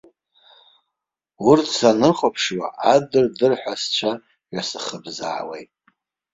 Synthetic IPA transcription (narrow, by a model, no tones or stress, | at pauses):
urtʰsanɨχapʰʂwa̰ʔadɨrdɨrħʷᶣast͡ʃʷʰa | ʒasɨχəbza̰ːwejtʼ